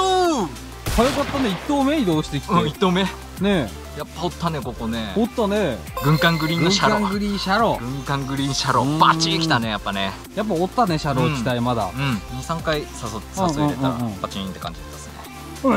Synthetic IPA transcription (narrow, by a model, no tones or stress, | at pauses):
o | hʰajokat̪ːaneit̪ːoːmeid̪oːɕi̥t̪e̞kʲi̥ẽit̪ːoːme | ne | japːaot̪ːane̞koko̞neot̪ːane̞ | ɡɯ̟̃ŋkãŋɡɯ̟ɾʲiːnɡɯ̃ŋɕaɾkoãŋɡɯ̟ɾʲiɕaɾo̞ɡɯ̟̃ŋkãŋɡɯ̟ɾʲiɕaɾobat͡ɕii̥t̪ane̞japːane | jap̬ːaot̪ːane̞ɕaɾo̞ːt͡ɕit̪aimad̪a̰ɯ̟̃ɴɲisãŋkaisasoãsoɯĩːeãɯ̃pat͡ɕiĩnt̪ːe̞kã̰ɲd͡ʑid̪at̪ːasɨnḛ